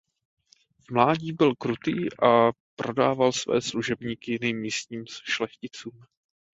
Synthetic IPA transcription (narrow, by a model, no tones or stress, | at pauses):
vmlaːɟiːbɪlkɾut̪iːʔapɾo̞daːvalsvɛ̰ːsluʒɛbɲiːkɪnimːiːst̪ɲiːmʃlɛxcɪt͡suːm